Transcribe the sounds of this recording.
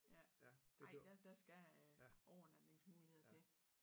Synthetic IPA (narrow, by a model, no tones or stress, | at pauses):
jæ̥ɑ̈ɪ̰d̥æd̥ɑ̈sɡ̥æ | ɒʊɐnæd̥eŋsmuːliheð̰ˠt͡sʰe̝